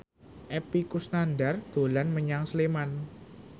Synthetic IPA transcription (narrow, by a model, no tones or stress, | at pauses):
ʔepikusnanɖard̪̥o̤lanməɲaŋsleman